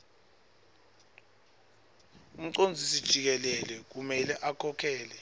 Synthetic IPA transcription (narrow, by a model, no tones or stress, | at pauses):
um̩ǀond͡zʱisid̥ʒ̥ʱik̬ɛlɛlɛk̬umɛlɛʔakʰɔkʰɛːlɛ